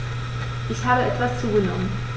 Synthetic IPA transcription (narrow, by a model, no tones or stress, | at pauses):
ʔɪçhaːbəʔɛtv̥ast͡suːɡənɔmən